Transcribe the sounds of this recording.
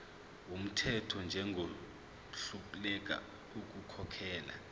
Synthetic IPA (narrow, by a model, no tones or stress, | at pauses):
wum̩tʰɛtʰɔnd͡ʒʱɛŋɡʱo | ɬupʼlɛk̬ʼa̰ | uk̬ʼukʰɔkʰɛːla̰